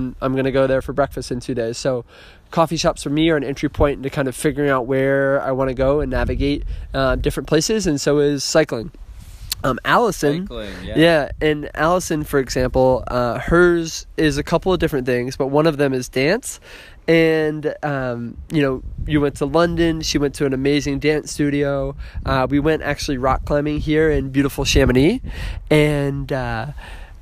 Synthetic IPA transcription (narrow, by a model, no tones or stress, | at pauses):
ãɪ̃mɡʌñɨɡoʊðə˞fə˞bɹɛkfɨstɨ̃ntʰʉdeɪz̥soʊ | kʰɔfiʃɑpsfə˞miə˞ɨ̃nɛ̃nt͡ʃɹ̥ipʰɔ̃ɪ̃n̩ɨkʰãɪ̃ndʌv̥fɪɡjə˞ɪ̃ŋaʊʔ̚wə˞a̰ɪwɑ̃ɾ̃ɨɡoʊɨ̃nːævɨɡeɪt̚ʌdɪfɹɨ̃npʰl̥eɪsɨzɨ̃nsoʊɪz̥saɪklɪ̃ŋ | mʔælˠəsɨ̃njæɨ̃næ̰lˠəsɨ̃nfə˞ɨɡzæ̃mpl̩ˠʌhɜ˞zɪzɨkʰʌpl̩ˠʌvdɪfɹɨ̃nθɪ̃ŋzb̥ʌt̚wʌ̃ñʌvðɨ̃mɨzdæ̃ns | ɨ̃nʌ̃mjɨnoʊjɨwɛ̃ntʰəlʌ̃ndɨ̃nʃiwɛ̃ntʰɨɨ̃nɨmeɪzɪ̃ŋdæ̃nstʉɾioʊʔʌwiwɛ̃ntæ̰k̚t͡ʃʉl̩ˠiɹɑkʰl̥ãɪ̃mɪ̃ŋɦiɹɪ̃nbjʉɾəfl̩ˠʃæ̃mɨniɨ̃nʌ